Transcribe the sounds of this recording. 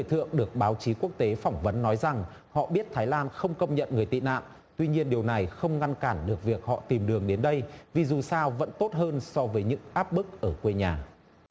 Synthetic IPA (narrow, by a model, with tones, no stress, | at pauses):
jt̪ʰɨ̰˧˨əŋɗɨ˨˩ək̚ɓaː˨˦wt͡ɕi˨˦ku˦˥ək̚t̪e˨˦fɔ˧˩wŋ͡mvə˨˦nːɔ˨˦jza˨˩ŋ | hɔ̰˧˨ɓi˦˥t̚t̪ʰaː˨˦jlaː˧nxə˧wŋ͡mkə˧wŋ͡mɲə̰˧˨nŋɨ˨˩əjt̪ḭ˧˨na̰ː˧˨m | t̪wi˧ɲi˧ənɗi˨˩əwna˨˩jxə˧wŋ͡mŋa˧nkaː˧˩nɗɨ˨˩ək̚vi˨˩ək̚hɔ̰˧˨t̪i˨˩mɗɨ˨˩əŋɗe˨˦nɗə˧jvi˨˩zu˨˩saː˧wvə̰˧˥nt̪o˦˥t̚həː˧nsɔ˧vəː˨˦jɲɨ̰˧˥ŋʔaː˦˥p̚mɨ˦˥k̚ʔəː˧˩kwe˧ɲaː˨˩